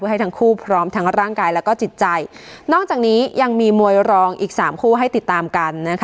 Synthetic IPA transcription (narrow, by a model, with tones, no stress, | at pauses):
u˥˩ha˥˩t̪ʰa˦˥ŋkʰuː˥˩pʰɾɔː˦˥mt̪ʰa˦˥ŋɾaː˥˩ŋkaː˧jlɛː˦˥wkɔː˥˩t͡ɕi˨˩t̪̚t͡ɕa˧jnɔː˥˩k̚t͡ɕaː˨˩k̚niː˦˥ja˧ŋmiː˧mu˧əjɾɔː˧ŋʔiː˨˩k̚saː˩˦mkʰuː˥˩ɦa˥˩jt̪i˨˩t̪ːaː˧mka˧nːa˦˥kʰ